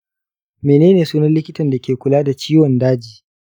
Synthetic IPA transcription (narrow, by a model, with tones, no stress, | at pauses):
meː˨neː˦neː˨suː˦nɐ˦nlɪ˦kʲɪ˦tɐ˨nda˨kʲeː˨kʷʊ˨laː˦da˨t͡ʃiː˦wɔ˨ndaː˦d͡ʒiː˨